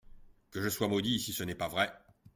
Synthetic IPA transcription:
kəʒəswamɔd̪isisənɛpavʁɛ

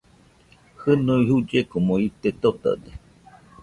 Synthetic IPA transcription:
hɨnoiɦud͡ʒekomoit̪et̪ot̪a̰d̪e

